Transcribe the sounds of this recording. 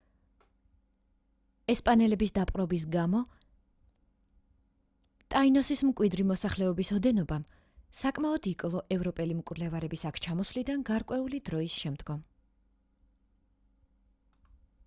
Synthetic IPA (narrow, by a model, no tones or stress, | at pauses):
ɛspʼanɛlɛbisd̪apʼqʼɾɔbis̬ɡamɔ | t̪ʼainɔsismkʼwid̪ɾimɔsaχlɛɔbisɔd̪ɛnɔbam | sakʼmaɔd̪̥ikʼlˠɔʔɛvɾɔpʼɛlimkʼvɾlɛvaɾɛbisakʰt͡ʃʰamɔsvlid̪anɡaɾkʼwɛulid̪ɾɔisʃɛmd̪̥ɡɔm